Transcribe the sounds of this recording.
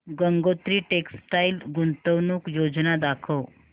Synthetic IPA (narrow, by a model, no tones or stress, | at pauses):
ɡəŋɡot̪ɾiːʈeksʈailɡunt̪əwnuːkjod͡znad̪akʰəʋ